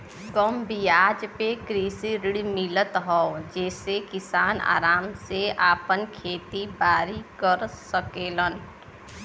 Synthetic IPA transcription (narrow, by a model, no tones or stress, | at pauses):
ɡəmbijaːd͡ʒpekɾiːsiɾɪɽmɪlət̪ɦɔd͡ʒɛːsekɪsaːna̰ːɾaːmseaːpənkʰeːt̪ibaːɾikəɾsəkeːlən